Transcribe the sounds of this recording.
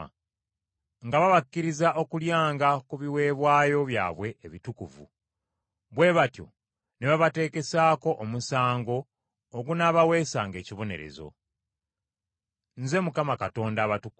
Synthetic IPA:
ŋɡaβaβakːiɾizaʔo̞kuljaːŋɡakuβiwe̞ːβwaːjo̞βja̰ːβwe̞ʔːβitukuvṵ | βwe̞ːβatjo̞̰ | neβaβate̞ːke̞saːko̞ʔomusaːŋɡo̞ː | ɡunaβawe̞ːsaːŋɡe̞ːciβo̞ne̞̰ɾḛzo̞̰ | nze̞mukamakato̞ːndaːβatuku

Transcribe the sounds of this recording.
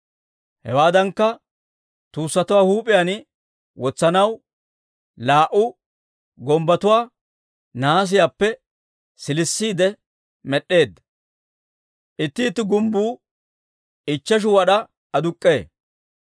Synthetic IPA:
hɛ̰waːd̪ɐŋkːɐ | t̪uːsːɐt̪ʊwaːhuːpʼɪjan | wɔt͡sːɐnɐw | laːʔʊ | ɡɔmbɐt̪ʊwaː | naːs̬ɪjaːpːɛ | sɪlɪsːiːd̪ɛ | mɛɗːe̞ːd̪ːɐ | ʔɪt̪ːɪːt̪ːɪɡʊmbuː | ɪt͡ʃːɐʃ̬ʊwɐɗɐ | ɐd̪ʊkʼːe̞ː

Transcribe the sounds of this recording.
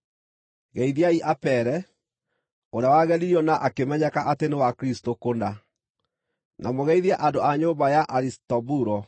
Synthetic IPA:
ɣɛiðiaiʔapɛɾɛ | oɾawaɣɛɾiɔnaʔakemɛɲɛkaʔatenewakɾistokonda | namoɣɛiðiaʔandoaɲombajaʔaɾistɔbuɾɔ

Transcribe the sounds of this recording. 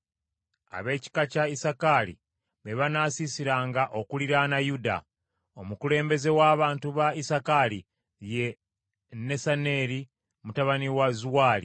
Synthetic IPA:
a̰βe̞ːci̥kacaisakalḭ | βe̞βanasisiɾaːŋɡaʔo̞kuliɾanajuda̰ | o̞mukule̞ːmbe̞ze̞waːβaːntuβaisakali | je̞ | ne̞sane̞ɾi | mutaβaniwazuwaːli

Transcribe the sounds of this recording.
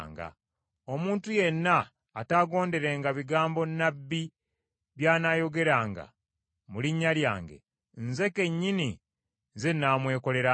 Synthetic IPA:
ŋɡa̰ | o̞muːntuje̞nːaː | taɡo̞ːnde̞ɾe̞ŋɡaβiɡaːmbo̞nːabːi | βjaːnaːjo̞ɡe̞ɾaːŋɡa̰ | muliɲːalja̰ːŋɡe̞̰ | nze̞ke̞ɲːini | zenaːmwe̞ːko̞le̞ɾa

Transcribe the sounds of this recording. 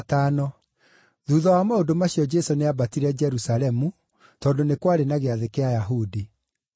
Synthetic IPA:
taːnɔ | ðuːðɔwamaondomaɕijɔd͡ʒɛsoneabatiɾɛd͡ʒɛɾusaɾɛmu | tɔndonekwaɾenaɣeaðekeajaɦudi

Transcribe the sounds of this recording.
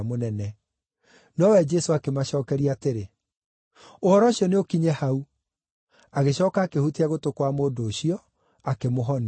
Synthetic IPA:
monɛnɛ | nɔwɛd͡ʒɛsoakemaɕɔːkɛɾiateɾe | ohɔɾɔɕjɔneokiɲɛhau | aɣeɕɔːkaːkehuteaɣotokwamoːdoːɕiɔ | akemoɦɔn

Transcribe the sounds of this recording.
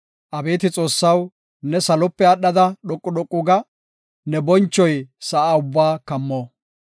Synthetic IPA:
ʔɐbe̞ːt̪ɪt͡sʼo̞ːsːɐw | nɛsɐlɔpːɛɐɗɐd̪ɐɗɔkʼːʊɗɔkʼːʊɡɐ | nɛbɔnt͡ʃːɔjsɐʔaːʊbːaːkɐmːoː

